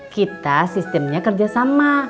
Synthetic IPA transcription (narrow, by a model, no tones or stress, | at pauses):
kit̪asist̪ɛmɲakərd͡ʒasama